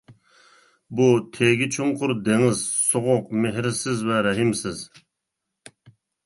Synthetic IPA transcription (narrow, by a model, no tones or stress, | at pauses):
but̪ʰeɡʲit͡ʃʰumqʰʊɾd̪eŋɪzsoʁʊqmeɦɾsɪzvɛɾɛɦimsɪz